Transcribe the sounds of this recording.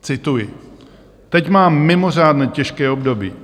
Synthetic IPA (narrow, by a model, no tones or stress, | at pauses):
t͡sɪt̪ujɪ | t̪ɛcmaːmːɪmo̞r̝aːdnɛːcɛʃkɛːobdo̞bḭː